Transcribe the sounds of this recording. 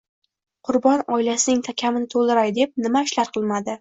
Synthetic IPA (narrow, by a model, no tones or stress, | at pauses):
qʰʊɾbɒnɒɪlasɪnɪŋt̪ʰakʲʰamɪnɪt̪ʰolˠd̪ɪɾajd̪e̞p̚nɪmaɪʃlaɾqʰɨlˠmad̪ɪ